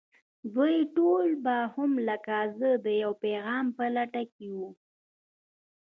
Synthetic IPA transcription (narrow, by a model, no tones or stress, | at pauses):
d̪wujʈolbahʊmləkazəd̪əjawpeɣɑmpəlaʈakewu